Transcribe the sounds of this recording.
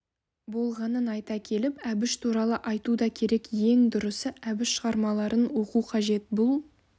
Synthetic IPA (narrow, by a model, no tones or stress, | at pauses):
bo̞lˠʁɑnənɑjt̪ɑkʲʰe̞lɪpæbɪʃt̪ʰuɾɑlˠəʔɑjt̪ud̪ɑkʲʰe̞ɾe̞kje̞ŋd̪ʊɾəsəʔæbɪʃʃəʁɑɾmɑlˠɑɾənwo̞quqʰɑʒe̞t̪̚bʊlˠ